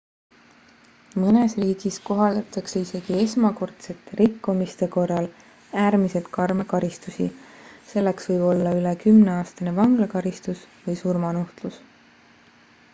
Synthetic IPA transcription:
mɤne̞sriːɡ̥isko̞ɦɑld̪ɑt̪ːˑɑkseise̞ɡ̥ie̞smɑko̞rt̪se̞t̪ːˑe̞ɾikːumist̪e̞ko̞rːɑl | æːɾmise̞lt̪̚kɑrmekɑɾist̪usise̞lːe̞ksvɤjb̥o̞lːɑyle̞kymne̞ɑːst̪ɑne̞vɑŋɡ̥lɑkɑɾist̪usvɯjsurmɑnuht̪lus

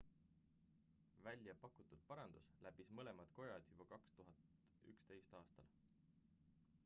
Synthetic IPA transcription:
vælʲjɑpɑkːˑut̪ːˑud̪̥̚pɑɾɑnd̪̥uslæpismɤle̞mɑd̪̥ko̞jɑd̪̥jub̥ɑkɑkst̪uɦɑt̪ | y̰kst̪e̞jst̪ɑːst̪ɑ̰l

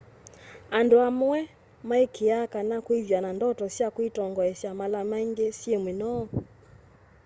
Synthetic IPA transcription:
anduamwɛ | maikʰiakanakwivjanandɔtɔsjakwitɔŋɡɔɛsjamalamɛŋɡɛsjɛmwinɔ

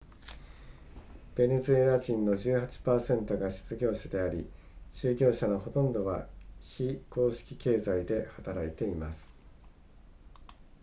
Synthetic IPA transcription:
b̥e̞ne̞zɨe̞ɾaʑĩnːo̞ʑɨːhat͡ɕi̥paːsẽ̞nt̪o̞ɡaɕi̥t͡sɨɡʲo̞ːɕad̪e̞aɾʲi | ɕɨːɡʲo̞ːɕano̞ɦo̞t̪õ̞nd̪o̞βaçiko̞ːɕi̥kʲi̥ke̞ːzaid̪e̞hat̪aɾait̪e̞imasɨ̥

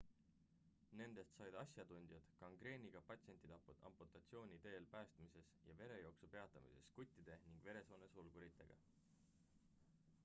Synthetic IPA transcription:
ne̞nd̪̥e̞st̪sɑjd̪̥ɑsjɑd̪unʲd̪̥jɑd̪̥kɑŋɡ̥re̞ːnʲiɡ̥ɑpɑt̪se̞nʲt̪ːˑid̪ɑpuɑ̰mput̪ːˑɑt̪sio̞ːnʲid̪e̞ːlpæːst̪mise̞sjɑ̰ve̞ɾe̞jo̞ːksupe̞ɑt̪ːˑɑmḭse̞̰skut̪ʲːˑid̪̥e̞niŋɡ̥ve̞ɾe̞so̞ːnesulɡ̥uɾit̪ːˑe̞ɡ̥ɑ̰

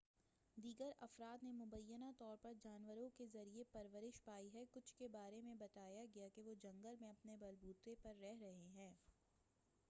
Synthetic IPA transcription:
d̪iːɡəɾɐfɾaːd̪nemʊbəjːənat̪ɔːɾpɐɾd͡ʒaːnʋəɾõkezɐɾiepɐɾʋəɾɪʃpaːiɦɛkʊt͡ʃʰkebaːɾemẽbɐt̪aːjaɡɐjakeʋod͡ʒɐ̃ŋɡəlmẽɐpnebɐlbuːt̪epɐɾːɛɦɾɐɦeɦɛ̃ː

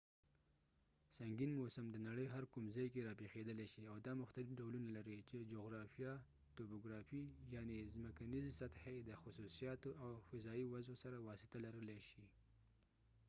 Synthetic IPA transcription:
saŋɡinmosəmd̪ənaɽəjɦaɾkumzɑjkeɾɑpexed̪əleʃiawd̪ɑmʊxt̪alɪfɖawlunalaɾit͡ʃed͡ʒoɣɾɑfijɑ | t̪opoɡɾɑfijɑnezməkanizesat̪hed̪əxʊsusijɑt̪oʔawfɪzɑiwazosaɾawɑsɪ̥t̪alaɾəleʃi

